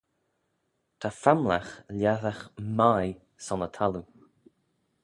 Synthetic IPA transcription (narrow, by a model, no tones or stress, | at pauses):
t̪ʰafamla̰xlʲjaðaxmaj | sɔnət̪ʰalu